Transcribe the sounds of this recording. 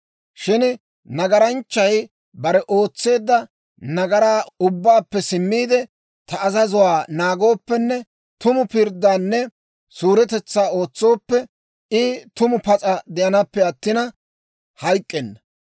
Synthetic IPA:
ʃɪn | nɐɡɐɾɐnt͡ʃːɐj | bɐɾɛʔo̞ːt͡sːe̞ːd̪ːɐ | nɐɡɐɾaːʊbːaːpːɛsɪmːiːd̪ɛ | t̪ɐːzɐzʊwaːnaːɡo̞ːpːɛnːɛ | t̪ʊmʊpɪɾd̪ːaːnːɛ | suːɾɛt̪ɛt͡sːaːo̞ːt͡sːo̞ːpːɛ | ɪt̪ʊmʊpɐt͡sʼɐd̪ɛjɐnɐpːɛɐt̪ːɪnɐ | hɐjkʼːɛnːɐ

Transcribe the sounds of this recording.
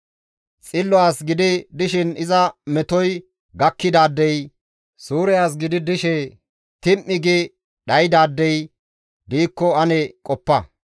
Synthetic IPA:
t͡sʼɪlːɔaːsɡɪd̪ɪd̪ɪʃɪnɪzɐmɛt̪ɔj | ɡɐkːɪd̪aːd̪ːɛj | suːɾɛjaːs̬ɡɪd̪ɪd̪ɪʃɛ | t̪ɪmːɪɡɪ | ɗɐjd̪aːd̪ːɛj | d̪iːkːɔɐnɛkʼɔpːɐ

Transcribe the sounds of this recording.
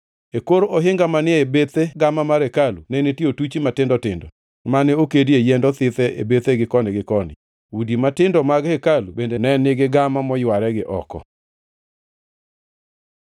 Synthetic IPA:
ekoɾooɦɪŋɡamanɪebet̪eɡamamaɾekalunɛnetiotut͡ʃimatɪndɔtɪndɔ | manɛokediejɛndɔt̪ɪt̪ɛʔḛbet̪eɡɪkɔnɪɡɪkɔnɪ̰ | udimatɪndɔmaɡhekalubendenɛnɪɡɪɡamamɔjwaɾɛɡɪʔɔ̰kɔ̰

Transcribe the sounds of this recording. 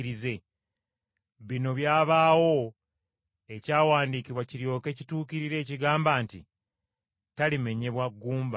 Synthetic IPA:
ɾize̞ | βino̞βjaːβaːwo̞ | e̞caːwaːndiːkiβwaciɾjo̞ːke̞ːcituːkiɾiɾe̞ːciɡaːmbaːntḭ | talime̞ɲe̞βwaɡːuːmba

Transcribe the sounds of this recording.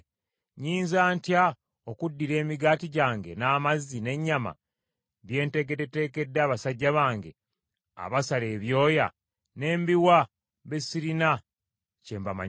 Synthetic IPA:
ɲiːnzaːntja | okudːiɾe̞ːmiɡaːtiɟaːŋɡe̞̰naːmazːine̞ɲːama̰ | βje̞ːnte̞ɡe̞tete̞ːke̞dːaːβasaɟːaβaːŋɡe̞ | a̰βasale̞ːβjo̞ːja | ne̞ːmbiwa | βesiɾina | ceːmbama̰ɲ

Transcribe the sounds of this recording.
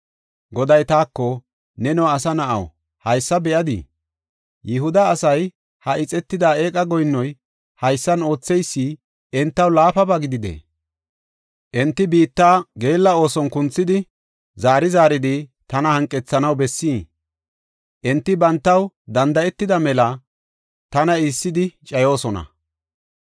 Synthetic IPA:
ɡɔd̪ɐjt̪aːkːɔ | nɛnɔwːsɐnɐʔɐ̰w | hɐjsːɐbɛʔɐd̪ɪ̰ | jɛɦʊd̪ɐːsɐj | hɐʔɪt͡sʼɛt̪ːɪd̪aːe̞ːkʼɐɡɔjnːɔj | hɐjsːɐno̞ːt͡sːɛjsːi | ʔɛnt̪ːɐwlaːfɐbaɡɪd̪ɪd̪ḛː | ʔɛnt̪ːɪbiːt̪ːaːɡe̞ːlːɐo̞ːsɔnkʊnt͡sːɪd̪ɪ | zaːɾɪzaːɾɪd̪ɪt̪ɐnɐhɐŋkʼːɛt͡sːɐnɐwbɛsːiː | ʔɛnt̪ːɪbɐnt̪ːɐw | d̪ɐnd̪ɐʔɛt̪ːɪd̪ɐmɛlɐ | t̪ɐnɐɪsːɪd̪ɪt͡ʃʼɐjo̞ːsɔnɐ̰

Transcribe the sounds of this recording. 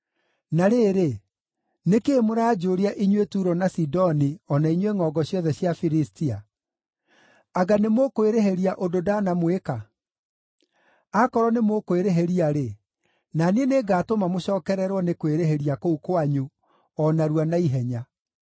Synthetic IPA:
naɾeɾe | nekeːmoɾaːd͡ʒoɾiaʔiɲwetuɾɔnasidɔniɔnaiɲweŋɔɡɔɕjɔðɛɕjafiɾistia | aɡanemokoeɾeɦeɾiaʔododanamweka | akɔɾɔnemokoeɾeɦeɾiaɾe | naneneɡaːtomamoɕɔːkɛɾɛɾwɔnekweɾeɦeɾiakoukwaɲu | ɔnaɾuwanaiɦɛɲa

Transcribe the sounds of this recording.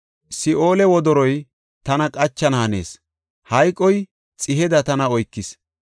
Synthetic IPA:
sɪʔoːlɛwɔd̪ɔɾɔj | t̪ɐnɐkʼɐt͡ʃːɐnɐɐne̞̰ːs | hɐjkʼːɔj | t͡sʼɪɦɛd̪ɐt̪ɐnɐɔjkːɪs

